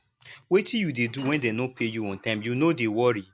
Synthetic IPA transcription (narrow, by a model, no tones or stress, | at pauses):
wetʰijudeduwɛ̃ndenõpʰejuɔ̃ntãɪ̃mjunodewɔɾi